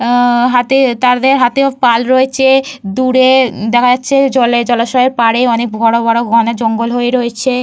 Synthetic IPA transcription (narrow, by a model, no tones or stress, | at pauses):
ɦat̪et̪aɾd̪eɾɦat̪eopalɾoet͡ɕʰed̪uɽed̪ɛkʰad͡ʑatːɕʰed͡ʑɔled͡ʑɔlaʃɔɦeɾpaɽeɔnekbʱɔɽobɔɽoɡʱɔnad͡ʑɔŋɡolɦoeɾoet͡ɕʰe